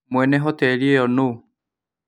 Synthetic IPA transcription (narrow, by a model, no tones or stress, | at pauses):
moɛnɛɦɔtɛɾiɛɔno